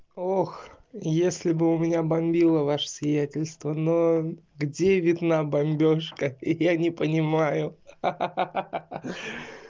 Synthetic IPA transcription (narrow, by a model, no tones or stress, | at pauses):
ox | jesʲlʲɪbɨʊmʲɪnʲabɐmʲbʲilˠəvaʂəsʲvʲɪjætʲɪlʲst̪vəno | ɡdʲevʲɪd̪nabɐmʲbʲo̞ʂkəɪjanʲɪpənʲɪmajʊ